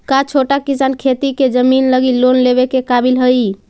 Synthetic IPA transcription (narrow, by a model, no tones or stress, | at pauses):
kat͡ʃʰoʈakisankʰet̪iked͡ʒəminləɡilonlebekekabilɦəj